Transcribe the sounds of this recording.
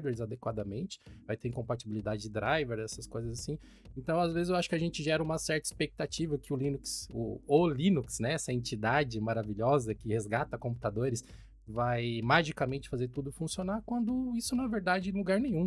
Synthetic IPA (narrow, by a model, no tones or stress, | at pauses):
d̪eɾzad̪ekwad̪ɐmẽnt͡ʃɪ̥vajt̪eɾ̃kõpat͡ʃibilid̪ad͡ʒɪd͡ʒɪd̪ɾajveɾɛsɐskojzɐzasĩ | ẽnt̪ɐ̃w̃azvezɪzewaʃʊ̥kɪaʒẽnt͡ʃɪʒɛɾɐũmɐsɛɾt̪ɐi̥spek̚t̪at͡ʃivɐkɪʊlĩnuksʊ̰olĩnuksnɛɛsɐẽt͡ʃid̪ad͡ʒɪmaɾaviʎɔzɐkɪhezɡat̪ɐkõpu̥t̪ad̪oɾɪs | vajmaʒikamẽnt͡ʃɪ̥fazeɾt̪ud̪ʊfũsionakwɐ̃nd̪ʊisʊnɐ̃ɛveɾd̪ad͡ʒɪɛ̃luɡaɾnẽj̃ɲ̃ũ